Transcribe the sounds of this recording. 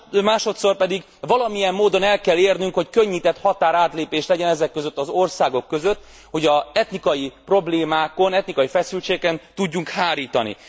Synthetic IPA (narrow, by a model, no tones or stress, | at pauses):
maːʃo̞t̪so̞rpɛd̪iɡ | vɒlɒmijɛmːoːd̪o̞nɛlkɛlːeːrnyŋkho̞ckøɲːit̪ɛt̪hɒt̪aːɾaːt̪leːpeːʃlɛɟɛnɛzɛkːøzø̞t̪ːɒzo̞rsaːɡo̞kːø̞zø̞t̪ː | ho̞ɟɒɛt̪nikɒjipro̞bleːmaːko̞nɛt̪nikɒjifɛsylt͡ʃeːkɛnt̪uɟːuŋkhaːɾiːt̪ɒnḭ